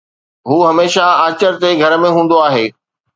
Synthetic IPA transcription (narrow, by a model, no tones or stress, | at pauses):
ɦuːɦɐmeːʃaaːt͡ɕəɾt̪eɡʱɐɾə̆mẽɦũːn̆d̪oaːɦeː